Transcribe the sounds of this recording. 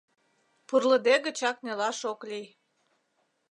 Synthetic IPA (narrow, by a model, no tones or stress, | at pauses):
purlə̆d̪eɣət͡ɕɑknʲelɑʃoklij